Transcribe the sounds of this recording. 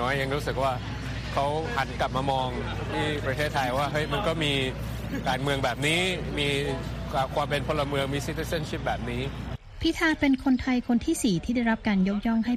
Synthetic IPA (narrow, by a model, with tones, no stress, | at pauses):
ɔː˦˥jːa˧ŋɾuː˦˥sɯ˨˩k̚waː˥˩ | kʰa˦˥wha˩˦nkla˨˩p̚maː˧mɔː˧ŋ | t̪ʰiː˥˩pɾa˧t̪ʰeː˥˩t̪ʰːa˧jwaː˥˩ɦɤ˦˥˩jma˧nkɔː˥˩miː˧ | kaː˧nmɯ˧əŋbɛː˨˩p̚niː˦˥miː˧ | kʰwaː˧mpe˧npʰo˧la˧mɯ˧əŋmi˧si˦˥t̪ʰːiː˧˥sa˥˩nt͡ɕʰi˦˥˩p̚bɛː˨˩p̚niː˦˥ | pʰi˦˥t̪ʰaː˧pe˧nkʰo˧nt̪ʰa˧jkʰo˧nt̪ʰiː˥˩siː˨˩t̪ʰiː˥˩da˥˩jɾa˦˥p̚kaː˧njo˦˥k̬̚jɔ˥˩ŋɦa˥˩